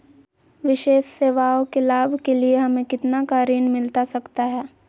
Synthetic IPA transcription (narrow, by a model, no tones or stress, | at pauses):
ʋɪʃeːʃseːʋaːokelaːbʱkelieɦɐmẽkɪt̪nakaːɾiːnmɪlt̪asɐkt̪aɦɛː